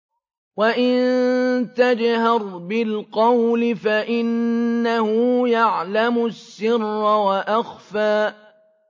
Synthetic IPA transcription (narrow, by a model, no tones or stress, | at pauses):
waʔɪnnt̪ad͡ʒhɑɾˤbɪlqɑwlɪfaʔɪnːahʊjaʕlamʊsːɪrːwaʔaxfaː